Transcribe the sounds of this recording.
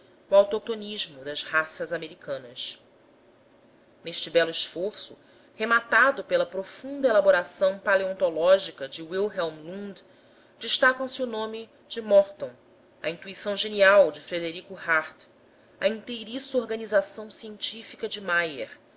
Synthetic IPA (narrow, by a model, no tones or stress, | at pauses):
uawt̪ok̚t̪oniʒmʊd̪ɐzhasɐzameɾikɐ̃nɐs | neʃt͡ʃɪbɛluiʃfoɾsʊ | hemat̪ad̪ʊpelɐpɾofũnd̪ɐelaboɾasɐ̃w̃paleõnt̪olɔʒikɐd͡ʒɪwilɦɛwmlũd̪ | d͡ʒɪiʃt̪akɐ̃w̃sɪunõmɪ | d͡ʒɪmɔɾt̪õw̃ | ɐ̰ĩnt̪uisɐ̃w̃ʒeniawd͡ʒɪfɾed̪eɾikʊhaɾt̪ | ɐĩnt̪ejɾisuoɾɡɐnizasɐ̃w̃siẽnt͡ʃifikɐd͡ʒɪmajḛɾ